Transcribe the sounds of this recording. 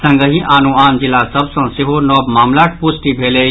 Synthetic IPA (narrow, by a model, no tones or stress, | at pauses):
sə̃ŋɡəɦĩʔaːnuaːnd͡ʒɪlːasəbsə̃seɦonɔːbmaːmlaʈpusʈibʱele